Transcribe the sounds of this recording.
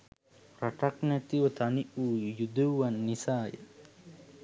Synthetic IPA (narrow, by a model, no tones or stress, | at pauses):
ɾaʈaknæt̪iʋət̪ɐniʔuːjud̪eʋanːisaːjə̰